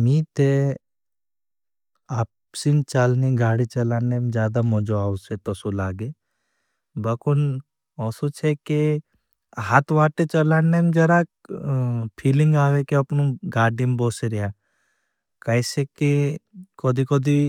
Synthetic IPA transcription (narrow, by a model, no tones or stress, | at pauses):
mĩt̪e | aːp | sint͡ʃaːlniɡaːɽit͡ʃɐlaːnemd͡ʒjaːd̪amɔ̃d͡ʒoaːʊset̪ɔsulaːɡe | bɐkun | ɔːsot͡ʃʰeke | ɦat̪ʰʋaːʈet͡ʃɐlaːnemd͡ʒɐɾa | pʰiːlɪ̃ŋɡaːʋekeɐpnũɡaːɖimboːseɾɪjaː | kɐisekekod̪ʱikoːd̪i